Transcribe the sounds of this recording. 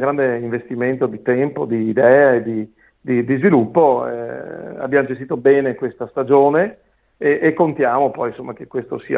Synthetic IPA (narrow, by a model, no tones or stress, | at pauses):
ɡɾand̪eiɱvest̪iment̪od̪it̪ɛmpod̪iːd̪ɛːaed̪i | d̪id̪izvilupːoɛ̰a̰bːjaːmod͡ʒest̪it̪obɛːnekwest̪ast̪ad͡ʒoːne | eːkːont̪jaːmopɔjnsomːak̟ekːwest̪osḭa